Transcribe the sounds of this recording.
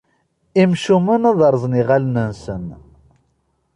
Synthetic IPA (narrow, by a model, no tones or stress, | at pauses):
imʃumənɑðˤəɾˤzˤniʁalnənsən